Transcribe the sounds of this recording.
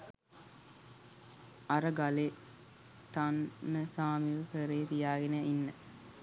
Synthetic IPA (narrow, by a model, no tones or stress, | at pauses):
aɾəɡale | t̪anːəsaːmiʋəkəɾeːt̪ijaːɡenəinːə